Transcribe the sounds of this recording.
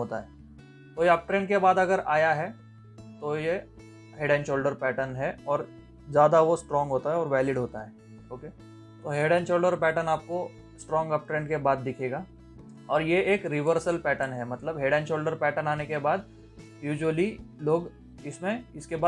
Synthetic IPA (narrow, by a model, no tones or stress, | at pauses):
ɦoːt̪a̰ɦɛː | t̪ojeɐp̚ʈɾẽːɳɖkebaːd̪ɐɡəɾaːjaɦɛ | t̪oje | ɦeːɖɛ̃ːnʃoːlɖəɾpɛːʈənɦɛɔːɾ | d͡ʒjaːd̪aʋosʈɾɔ̃ːŋɡɦoːt̪aɦɛɔːɾʋɛːlɪɖɦoːt̪aɦɛː | oːke | t̪oɦeːɖɛ̃ːnʃoːlɖəɾpɛːʈənaːp̚ko | sʈɾɔ̃ːŋɡɐp̚ʈɾẽːɳɖkebaːd̪̚ːɪkʰeːɡaː | ɔːɾjeeːkɾɪʋəɾsəlpɛːʈənɦɛmɐt̪ləbɦeːɖɛ̃ːnʃoːlɖəɾpɛːʈənaːnekebaːd̪̚ | juːd͡ʒʋəliloːɡ | ɪsmẽɪskebaː